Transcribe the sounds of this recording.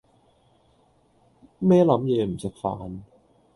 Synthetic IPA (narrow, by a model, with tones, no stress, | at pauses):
mɛː˥lɐ˨˧˥mjɛː˨˧m̩˨˩sɪ˨˩k̚fa̰ː˨n